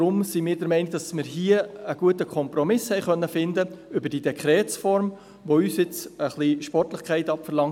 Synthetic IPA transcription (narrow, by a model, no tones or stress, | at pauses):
ɾʊmsimɪːɾdəɾmɛɪnɪɡ̚d̥ɑsmɪɾɦiəəɡ̥uətəkʰχɔmpɾɔmɪshɛɪχœnːəfɪnd̪əʏbəɾd̥iːd̥̪ɛkʰχɾɛːt͡sfɔɾm | ʋoyːsɪt͡səχliʃpɔrtlɪχkχɛɪtɑpfəɾlɑŋt